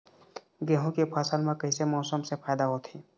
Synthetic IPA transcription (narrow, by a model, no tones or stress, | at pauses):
ɡɛːɦõkipʰaːsəlmẽkəɦisemɔːsəmsepʰaːd̪aɦot̪ʰiː